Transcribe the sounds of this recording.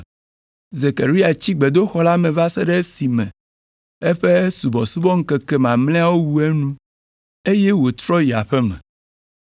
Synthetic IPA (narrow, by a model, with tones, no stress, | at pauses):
ze˨ka˨ɾi˦a˨t͡ɕi˦ɡ͡be˨d̪o˦xɔ˦la˦mɛ̃˨va˦sɛ˦ɖɛ˦si˨mɛ̰̃˨ | e˦ɸe˦su˨bɔ˨su˦bɔ˦ŋ̩˦kɛ˨kɛ˨mã˨mlɛ̃˦a˦wo˦wu˦e˦nũ˦ | e˦je˦wo˨t̪ɾɔ˦ji˨a˨ɸɛ˦mɛ̰̃˨